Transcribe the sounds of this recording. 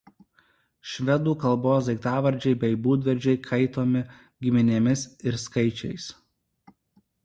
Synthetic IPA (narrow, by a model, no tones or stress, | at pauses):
ʃʲʋʲɛd̪uːkɐlˠboːsd̪ʲɐɪt̪ɑːʋɐɾʲd͡ʒʲɛɪbʲɛɪbuːd̪ʲʋʲɛɾʲd͡ʒʲɛɪkʰɐɪt̪oːmʲɪ | ɡʲɪmʲɪnʲeːmʲɪsɪɾskɐɪt͡ʃʲɛɪs